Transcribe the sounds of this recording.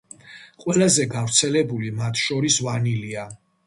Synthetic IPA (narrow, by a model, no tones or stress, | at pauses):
qʼwɛlazɛɡavɾt̪sʰɛlɛbulimat̪ʰʃɔɾisvanilia